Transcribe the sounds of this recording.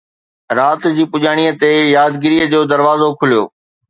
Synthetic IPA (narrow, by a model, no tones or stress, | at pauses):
ɾaːt̪d͡ʑiːpʊʄaːɽ̃iːət̪ejaːd̪ɡɪɾiːjəd͡ʑoːd̪ɐɾʋaːzokʰʊlijo̰ː